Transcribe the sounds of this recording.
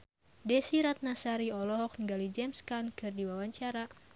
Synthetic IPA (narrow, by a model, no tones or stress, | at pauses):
dɛsiɾat̪̚nasaɾiɔlɔɦɔk̚niŋɡalid͡ʒɛmskankɨrdiwawaɲt͡ʃaɾa